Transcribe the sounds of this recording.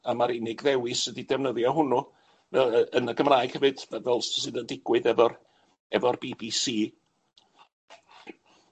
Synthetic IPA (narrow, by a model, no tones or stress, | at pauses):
amaɾɪnɪɡðɛwɨsədidɛvnəðjɔɦʊnu | vɛənəɡəmraːjɡ̥hɛvɨd̥vɛvɛlˠssɨdəndɪɡ̥wɨðɛvɔr | ɛvɔrb̥iːbisiː